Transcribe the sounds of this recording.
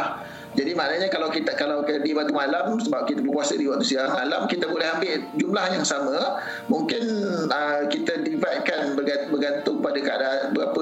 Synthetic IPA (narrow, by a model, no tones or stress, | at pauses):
h | d͡ʒadimaʔnaɲakalawkit̪kalawkidibat̪umalamsəbap̚kit̪abəkuasədiwaʔt̪usiamalamkit̪abolɛɦambɪʔd͡ʒumlahjaŋsamə̃ | muŋkɪnəkit̪ədivaʔ̪̚kanbərɡabərɡant̪ʊŋpadəkaadaʔbəɾapə